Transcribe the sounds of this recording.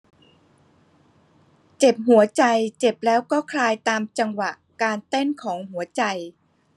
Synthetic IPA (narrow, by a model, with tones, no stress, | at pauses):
t͡ɕe˨˩p̚ɦu˩˦ɐt͡ɕa˧jt͡ɕe˨˩p̚lɛː˦˥wkɔː˥˩kʰlaː˧jt̪aː˧mt͡ɕa˧ŋwa˨˩ʔ | kaː˧nt̪e˥˩nkʰɔː˩˦ŋɦu˩˦ɐt͡ɕa˧j